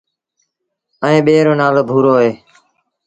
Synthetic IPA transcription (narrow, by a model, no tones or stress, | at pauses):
əĩːɓeːɾoːnaːloːbʱuːɾoːɦeː